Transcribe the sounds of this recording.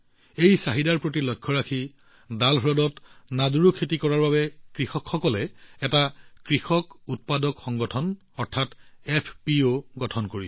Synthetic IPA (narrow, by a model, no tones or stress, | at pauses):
ejsaɦidaɹpɹot̬ilɔjkʰːɔɹakʰi | dalɦɹɔdɔtnaduɹukʰetikɔɹaɹbabɛkɹixɔkxɔkɔlɛɛtakɹixɔkut̚padɔkxɔŋɡɔtʰɔn | ɔɹtʰatɛpʰpioɡɔtʰɔnkoɹi